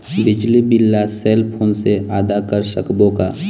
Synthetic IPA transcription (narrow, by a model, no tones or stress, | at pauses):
bɪd͡ʒlibɪlːaseːlpʰoːnseaːd̪akəɾsəkbõka̰ː